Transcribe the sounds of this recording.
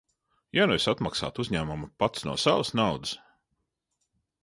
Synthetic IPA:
januisat̪maksa̰ːt̪uzʲɲʲæːmumpat̪snṵɔsavəsnawd̪ɨs

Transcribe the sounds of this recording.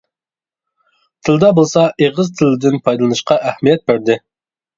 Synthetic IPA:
t̪ʰɪld̪ɑbolˠsɑʔeʁəzt̪ʰɪlɪd̪ɪnpʰɑjd̪ɨlˠɨnɨʃqɑʔæhmijɛt̪̚bæɾd̪ɪ

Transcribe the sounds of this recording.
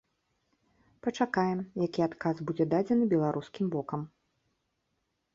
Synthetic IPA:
pɐt͡ʂakajɛmjakʲiat̪kazbud͡zʲɛd̪ad͡zʲɛnɨbʲɛlˠaɾʔuskʲimbɔkɐm

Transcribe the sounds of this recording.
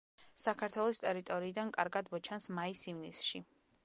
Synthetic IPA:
sakʰaɾt̪ʰwɛlˠɔst̪ʼɛɾit̪ʼɔɾiːd̪ankʼaɾɡad̪mɔt͡ʃʰansmaisivnisʃi

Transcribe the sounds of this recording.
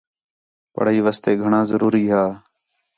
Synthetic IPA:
pə̰ɽ̤iːʋaːst̪eːɡʱəɳãːzəɾuːɾiːɦaː

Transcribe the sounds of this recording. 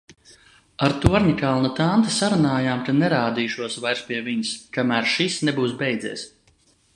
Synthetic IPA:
aɾt̪uɔɾɲʲikalˠnat̪ant̪asaɾunaːjaːmkanɛɾaːd̪iːʃuɔsvajɾspʲiɛviɲskamæːɾʃisnɛbuːsbɛjd̪ziɛːs

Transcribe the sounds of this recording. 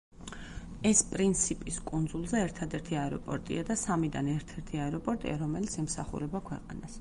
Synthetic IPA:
ɛspʼɾint̪sʰipʼiskʼund̪zulˠzɛːɾt̪ʰad̪ɛɾt̪ʰiaɛɾɔpʼɔɾt̪ʼḭad̪asamid̪anɛɾt̪ʰɛɾt̪ʰiaɛɾɔpʼɔɾt̪ʼḭa̰ɾɔmɛlit̪sʰɛmsaχṵɾɛbakʰwɛ̰qʼa̰nas

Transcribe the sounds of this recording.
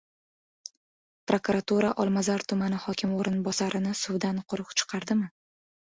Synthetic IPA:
pɾokuɾat̪uɾaʔɒlˠmazaɾt̪ʰʊmanɪhɒkʲʰɪmoɾɪnbɒsaɾʔɪnɪsʊwd̪anqʰʊɾɨqt͡ʃʰɨ̥qʰɑɾd̪ɪmɪ

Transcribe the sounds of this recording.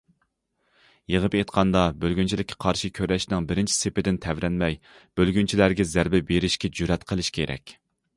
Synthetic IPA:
jəʁəpet̪qʰɑnd̪ɑbølɡʲynt͡ʃʰilɪkʲːɛ̥qʰɑɾʃikʲʰøɾɛʃnɪŋbɪɾɪnt͡ʃʰi̥sepɪd̪ɪnt̪ʰɛvɾɛnmɛj | b̥ølɡʲynt͡ʃʰilæɾɡʲɛzæɾbɪbeɾɪʃkʲɛd͡ʒyɾɛt̪qʰəlˠɪʃkʲʰeɾʔɛ̰kʲ

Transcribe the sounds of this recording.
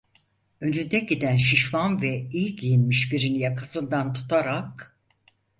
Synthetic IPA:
ø̞nynd̪ɛɟid̪ænʃiʃmanvɛijcjinmiʃfiɾinijakʰasɯnd̪ant̪ʰu̥t̪ʰaɾak̚

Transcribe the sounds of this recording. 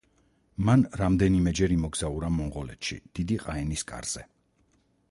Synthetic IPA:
manɾamd̪ɛnimɛd͡ʒɛɾimɔɡz̥auɾamɔɴʁɔlɛ̰t̪ʃḭd̪̥id̪iqʼaɛniskʼa̰ɾz̥ɛ

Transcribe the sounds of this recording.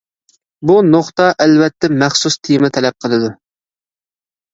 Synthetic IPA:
bunoχt̪ɑʔɛlvɛt̪ʰːɛmæχsust̪ʰimɪt̪ʰɛlɛp̚qʰəlˠɨd̪u

